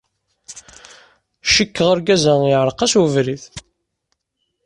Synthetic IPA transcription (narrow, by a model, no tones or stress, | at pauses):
ʃəkːəʁəɾɡæzæɪʕɾˤəqɑswəvɾiθ